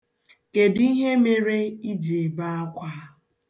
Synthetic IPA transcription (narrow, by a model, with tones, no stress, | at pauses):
ke˨di˦ɦe˦me˨ɾe˦i˦d͡ʒe˨ba˦a˦kʷa˦